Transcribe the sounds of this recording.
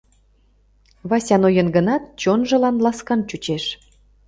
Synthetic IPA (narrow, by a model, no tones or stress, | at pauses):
βɑsʲɑnojənɡənɑt̪̚t͡ɕonʒə̆lɑnlɑskɑnt͡ɕut͡ɕeʃ